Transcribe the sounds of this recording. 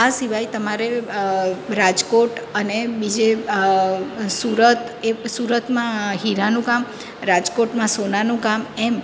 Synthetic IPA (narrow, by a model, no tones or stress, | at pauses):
asiʋajt̪əmaɾe | ɾad͡ʒkoʈənebid͡ʒe | suɾət̪ | esuɾət̪mãɦiɾanũkam | ɾad͡ʒkoʈmãsonanũkamɛm